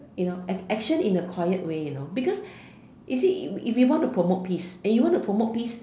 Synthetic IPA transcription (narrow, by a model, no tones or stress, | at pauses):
junoɛɛkʃə̃nĩnəkʰwajət̚wejunobikɔs | jusiifwjiwɔ̃ntupʰɹomot̚pʰisɛ̃njuwɔ̃ntupʰɹomot̚pis